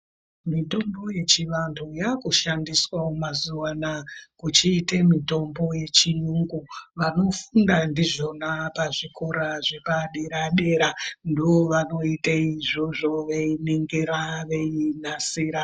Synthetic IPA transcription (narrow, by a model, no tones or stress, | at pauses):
mito̞mbo̞je̞t͡ʃiʋantʰujakuʃandiswaumazuwanakut͡ʃiːtemito̞mbo̞je̞t͡ʃijuŋɡuʋano̞fundandiʐo̞napaʐikʰo̞ɾaʐepaɗeɾaɗe̞ːɾandiʋo̞ʋano̞itaiʐoʐo̞ʋeineŋɡeɾaʋeinasiːɾa